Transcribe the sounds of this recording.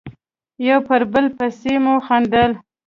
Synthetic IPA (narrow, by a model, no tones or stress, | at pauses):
jawpəɾbəlpəsemuxand̪əl